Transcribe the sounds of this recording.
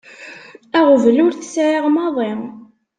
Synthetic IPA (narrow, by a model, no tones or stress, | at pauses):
æʁvlʊɾθəsʕeʁmɑðˤe